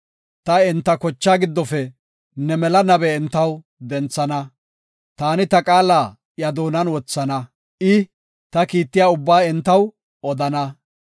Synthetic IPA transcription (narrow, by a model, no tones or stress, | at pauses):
t̪ɐɛnt̪ːɐkɔt͡ʃːaːɡɪd̪ːɔfɛ | nɛmɛlɐnɐbɛɪnt̪ːɐw | d̪ɛnt͡sːɐnɐ | t̪aːnɪt̪ɐkʼaːlaː | jɐd̪oːnɐnwɔt͡sːɐnɐ | ʔɪ | t̪ɐkiːt̪ːɪjaːʊbːaːɛnt̪ːɐw | ʔɔd̪ɐnɐ